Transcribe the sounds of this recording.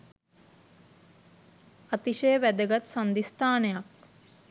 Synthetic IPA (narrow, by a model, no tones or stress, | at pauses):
at̪iʃejəʋæd̪əɡat̪sand̪ist̪aːnejak